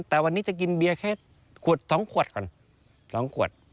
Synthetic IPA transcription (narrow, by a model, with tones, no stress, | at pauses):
nt̪ɛː˨˩wa˧nːiː˦˥t͡ɕa˨˩k̬i˧nbi˧ɐkʰɛː˥˩ | kʰu˨˩ə˩t̪̚t̪ʰɔː˨˦ŋkʰu˨˩ət̪̚kʰɔ˨˧n | t̪ʰɔː˩˦ŋkʰu˨˩ə˩t̪̚